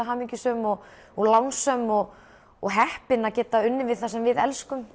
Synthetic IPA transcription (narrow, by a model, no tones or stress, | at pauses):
aɦaːmiɲcʏsœmɔɣ | ɔɣlawnsœmɔɣ | ɔɣɦɛhpɪnaðcɛːt̪aʏnːɪvɪð̥θasɛmvɪðɛlskʏm